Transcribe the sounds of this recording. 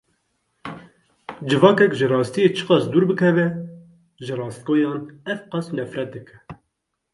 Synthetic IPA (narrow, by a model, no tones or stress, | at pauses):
d͡ʒɨvɑːkɛkʒɨrɑːst̪ijet͡ʃʰɨ̥qɑsd̪uːɾbɨkʰɛvɛ | ʒɨrɑːst̪̚koːjɑːnɛvqɑsnɛfɾɛt̪̚d̪ɨkʰɛ̥